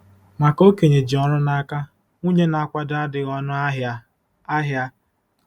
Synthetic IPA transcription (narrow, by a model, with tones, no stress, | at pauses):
ma˨ko˦ke˨ɲe˨d͡ʒi˨ɔ˦ɾʊ˦na˦ka˦ | ŋu˦ɲe˦na˨a˦kʷa˦da˦dɪ˨ɣɔ˦nʊ˦ɦ | a˦ɦja˦